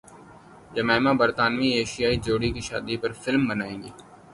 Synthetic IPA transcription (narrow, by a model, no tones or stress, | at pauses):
d͡ʒɐmɛːmabəɾt̪aːnʋieːʃijaːid͡ʒoːɽikiʃa̰ːd̪ipɐɾfɪlmbənaːẽːŋɡiː